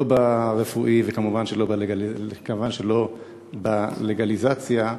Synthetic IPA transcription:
obaʁefuʔivekamuvanʃelo̞baleɡalikamvanʃelo̞ | baleɡalizat͡sja

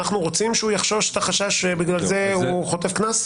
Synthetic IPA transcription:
aχnuʁo̞t͡simʃeujaχʃo̞ʃe̥t̪aχaʃaʃebiɡlalze̞uχo̞tefknas

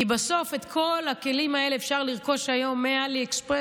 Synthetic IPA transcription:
ibaso̞fe̞t̪kʰo̞lhake̞limae̞leːfʃaʁliʁko̞ʃajo̞mːealiekspʁe

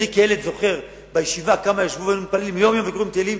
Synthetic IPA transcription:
dekeelet̪zo̞χe̞ʁ | bajeʃivakamajaʃvuvanumit̚palelimjomjo̞mvekoʁimt̪elim

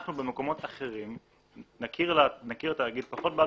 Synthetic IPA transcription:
χnube̞me̞ko̞mo̞taχe̞ʁim | nakiʁanakiʁet̪aːɡid̪̚paχo̞t̚ba

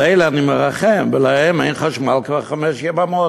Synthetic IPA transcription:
ɛɪləaniməʁaχɛmvəlahɛmeɪjnχaʃmalˠkvaʁχamɛʃjɛbamo

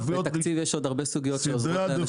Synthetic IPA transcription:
vet̪at͡sivjeʃo̞d̪aʁbesuɡijot̪ʃeozo

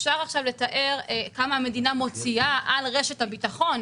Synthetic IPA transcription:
fʃaʁaχʃavle̞taʔe̞ʁkamaame̞dinamo̞t͡siaʔalʁe̞ʃe̞thabitaχo̞n

